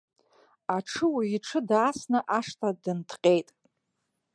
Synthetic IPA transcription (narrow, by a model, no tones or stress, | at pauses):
aʈ͡ʂʰɨwiiʈ͡ʂʰɨdaːsnɨʔaʂtʰʼadɨntʰqʲʼe̞jtʼ